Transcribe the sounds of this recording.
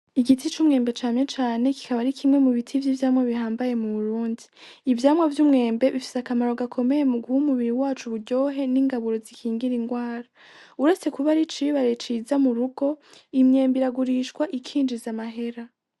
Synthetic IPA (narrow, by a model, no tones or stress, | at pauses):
iɡitit͡ʃuːmŋe̞ːmbe̞t͡ʃaːnɲe̞t͡ʃaːne̞ki̥kaβaɾikʰimŋe̞muβitʰivjiːvjaːmwaβihaːmbaje̞muβuɾuːndiːvjaːmwavjuːmŋe̞ːmbe̞βifi̥sakamaɾo̞ɡakʰo̞me̞je̞muɡuhumuβiɾiwaːt͡ʃuβuɾɟo̞ːɦe̞niŋɡaβuɾo̞zikʰiːŋɡiɾiŋɡwaːɾa | uɾese̞kuβaɾit͡ʃiβaɾe̞t͡ʃiːzamuɾuɡ̥o̞imɲe̞ːmbiɾaɡuɾiːʃkwaʔikʰiːnd͡ʒizamaɦe̞ɾa